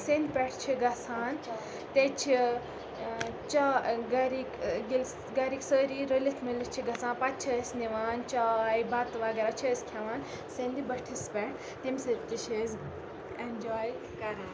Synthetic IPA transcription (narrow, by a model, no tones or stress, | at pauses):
send̪pʲɛʈʰt͡ʃʰiɡɐsaːn | t̪et͡ʃʰi | t͡ʃaɡɐɾikɡil | ɡɐɾiksəːɾiɾəlit̪ʰmilit͡ʃʰiɡɐsãːnpɐt̪̚t͡ʃʰɐsniʋaːnt͡ʃajbɐt̪ʋaːɡeɾat͡ʃʰɐskʰɐʋaːn | send̪ibɐʈʰispʲɛʈʰ | t̪imsət̪iʃʰez | end͡ʒaːj | kɐɾaːn